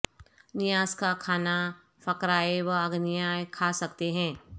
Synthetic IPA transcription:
nɪjaːskakʰaːna | fɐkɾaːeʋɐɐɡnɪjaːjkʰasɐkt̪eɦɛ̃ː

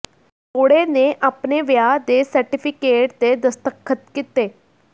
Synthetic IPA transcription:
t̪ʰoːɽeneʔapneʋjad̪esəɾʈipʰikeːʈt̪ed̪əst̪əkʰːət̪kit̪eː

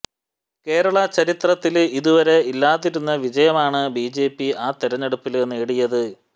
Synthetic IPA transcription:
ke̞ːɾɐɭɐt͡ɕɐɾit̪rɐt̪ːiliðuʋɐɾe̞ilːaːðiɾunːɐʋid͡ʑɐjɐmaːɳɨbiːd͡ʑe̞ːpːiaːt̪iɾɐɲːeɽupːilenːeːɽijɐðɨ

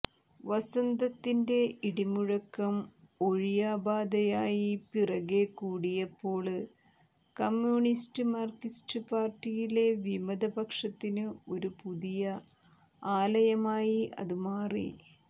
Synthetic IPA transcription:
ʋɐsɐnd̪ɐt̪ːinde̞iɽimuɻɐkːɐmo̞ɻijaːbaːd̪ɐjaːjipirɐɣe̞kuːɽijɐpːo̞ːɭɨ | kɐmjuːnistɨmɐrkistɨpaːrtːijile̞ʋimɐd̪ɐbɐkʂɐt̪ːinɨo̞ɾupuðijɐ | aːlɐjɐmaːjiʔɐ̰ðumaːrḭ

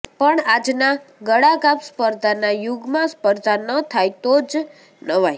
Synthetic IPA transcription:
pəɳad͡ʒnaɡəɽaɡapspəɾd̪ʱanajuɡmãspəɾd̪ʱanət̪ʰajt̪od͡ʒ | nəʋaj

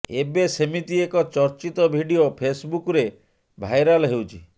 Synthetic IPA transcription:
ebesemit̪iekɔt͡ʃɔɾt͡ʃit̪ɔbʱiɖiopʰesbukɔɾe | bʱajɾalɔɦewt͡ʃʰi

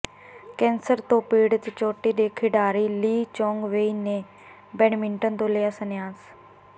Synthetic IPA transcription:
kɛ̃ːnsəɾt̪õːpiːɽt̪t͡ʃoːʈiːd̪eːkʰɪɖaːɾiːliːt͡ʃɔ̃ːŋɡʋeiːneː | bɛːnmɪɳʈənt̪õːlejaːsənɪjaːs

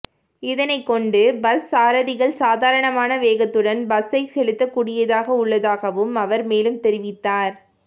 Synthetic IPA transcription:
ɪðɐnɐɪkːɔɳɖɯbɐsːaːɾɐðɪɣɐɭsaːðaːɾɐɳɐmaːnɐʋeːɣɐt̪ːɯɽɐnbɐsɐɪsɛlɯt̪ːɐkuːɽɪjɐðaːɣɐʊɭːɐðaːɣɐʋɯmɐʋɐɾmeːlɯmt̪ɛɾɪʋɪt̪ːaːɾ

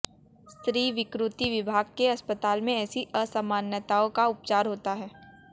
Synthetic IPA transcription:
st̪ɾiːʋɪkɾʊt̪iʋɪbʱaːɡ̚keɐspət̪aːlmẽɛːsiəsɐmaːnjət̪aːõkaʊp̚t͡ʃaːɾɦoːt̪aɦɛː

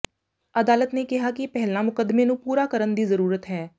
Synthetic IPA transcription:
əd̪aːlət̪neːkɪɦaːkɪpɛɦlnaːmʊkəd̪mẽːnũːpuːɾaːkəɾənd̪iːzəɾuːɾət̪ɦɛː

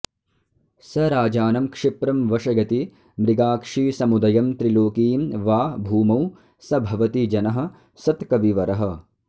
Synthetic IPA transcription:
sɐɾaːd͡ʒaːnɐmkʂipɾɐmʋɐʂɐɡɐt̪i | mɾiɡaːkʂiːsɐmud̪ɐjɐmt̪ɾiloːkiːmʋaːbʱuːmɐw | sɐbʱɐʋɐt̪id͡ʒɐnɐɦɐ̆ | sɐt̪kɐʋiʋɐɾɐɦɐ̆

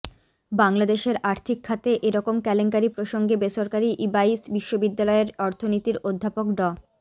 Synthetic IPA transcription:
baŋlad̪eʃeɾaɾt̪ʰikʰːat̪eʔeɾɔkomkɛleŋk̬aɾipɾoʃoŋɡebeʃoɾkaɾiʔibaisbiʃːobid̪ːalɔeɾɔɾt̪ʰonit̪iɾod̪ʱːapokɖɔ

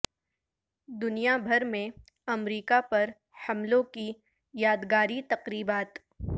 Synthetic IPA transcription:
d̪ʊnijabʱɐɾmẽ | ɐmɾiːkapɐɾ | hɐmlõki | jaːd̪ɡaːɾit̪ɐqɾiːbaːt̪

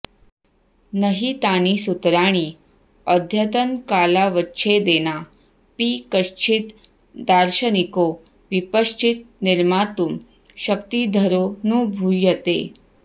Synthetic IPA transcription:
nəɦiːt̪anisut̪ɾaɽ̃iː | əd̪ʱjət̪ənkalaʋətːɕʰed̪ena | pikəʂt͡ɕʰit̪ | d̪aɾɕəniko | ʋipəʂt͡ɕʰit̪̚niɾmat̪uːm | ɕəkt̪id̪ʱəɾonũːbʱujət̪ḛ

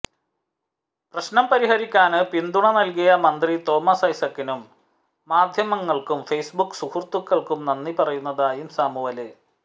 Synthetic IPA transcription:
prɐɕnɐmpɐɾihɐɾikʲːaːnɨpind̪uɳɐnɐlkijɐmɐnd̪rit̪o̞ːmɐsɐjsɐkːinumː | aːd̪ʱjɐmɐŋːɐɭkumfejsbukːsuhurt̪ukːɐɭkumnɐnːipɐrɐjunːɐðaːjumsaːmuʋɐlɨ

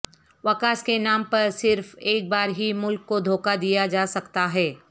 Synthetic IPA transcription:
ʋɐkaːskenaːmpɐɾsɪɾfeːk̚baːɾɦimʊlkːod̪ʱoːkad̪ijad͡ʒaːsɐkt̪aɦɛː

